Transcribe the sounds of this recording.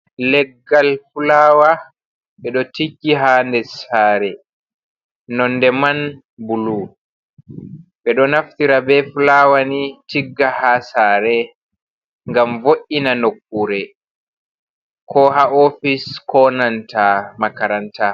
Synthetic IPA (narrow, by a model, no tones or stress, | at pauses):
lɛɡːalfulaːwa | ɓɛɗɔtikːiɦandɛsaːɾɛ | nɔndɛman | bulu | ɓɛɗɔnaftiɾabɛfulawanitiɡːahasaːɾɛ | ŋɡamvoʔinanokːuɾɛ | kʰɔhaʔofiskɔnantʰamakaɾanta